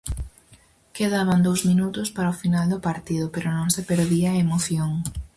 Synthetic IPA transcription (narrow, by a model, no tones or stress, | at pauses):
keðaβ̞and̪owzmĩnut̪ʊspaɾɐofinald̪ʊpaɾt̪iðʊpeɾʊnõŋsepeɾðiɐemoθjoŋ